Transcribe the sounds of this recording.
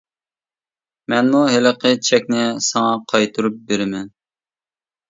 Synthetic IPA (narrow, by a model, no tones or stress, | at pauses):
mɛnmuɦɪləqʰət͡ʃʰɛkʲnɪsɑŋɑqʰɑjt̪ʰuɾup̚beɾɪmɛn